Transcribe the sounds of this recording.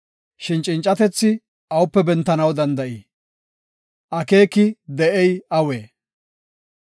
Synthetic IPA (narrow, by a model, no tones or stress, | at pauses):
ʃɪnt͡ʃʼɪnt͡ʃʼɐt̪ɛt͡sːɪ | ʔɐwʊpːɛbɛnt̪ːɐnɐwd̪ɐnd̪ɐʔiː | ʔɐke̞ːkɪd̪ɛʔɛjɐweː